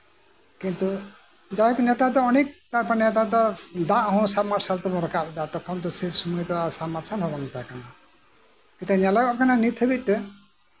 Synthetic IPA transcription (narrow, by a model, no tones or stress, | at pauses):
kint̪u | d͡ʒaɦɔknɛt̪at̪ɔɔnek̚t̪aɾpanɛt̪at̪ɔd̪ãʔɦɔ̃sabmaɾsalt̪ɔmɔɾɔkabd̪at̪ɔkʰɔnt̪ɔsesumujt̪ɔasamaɾsalɦɔbɔnp̪akana | kit̪ɛɲalaɡɔʔkananit̪ʰebit̪ɛ